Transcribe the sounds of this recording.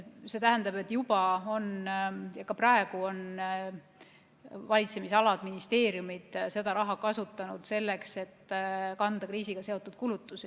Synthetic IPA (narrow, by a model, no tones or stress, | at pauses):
se̞t̪æɦænd̪̥ɑbe̞t̪ːˑjub̥ɑo̞njɑkɑprɑe̞ɡ̥uo̞n | vɑlʲit̪se̞misɑlɑd̪̥minist̪e̞ːɾjumid̪̥se̞d̪̥ɑɾɑɦɑkɑsut̪ːˑɑnud̪̥se̞lːe̞kse̞t̪ːkɑnd̪ɑkriːsiɡ̥ɑse̞o̞t̪ːˑud̪̥̚kulut̪ːˑusi